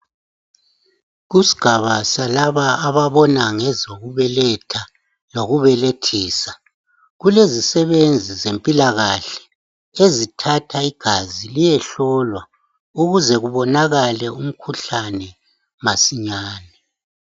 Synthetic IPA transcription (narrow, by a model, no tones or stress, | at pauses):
ɣusi̥ɡ̥ʱaβasalaβaːβaβɔnaŋɛzoɣuβɛlɛtʰa | loɣuβɛletʰiːsa | ɣulezisɛβend͡zʱizempʼilaɣaɬɛ̥ | ezitʰatʰaiɡ̥ʱazilijɛɬɔlwa | uɣuzɛɣuβɔnaɣalɛum̩kʰuɬanɛ | masiɲaːnɛ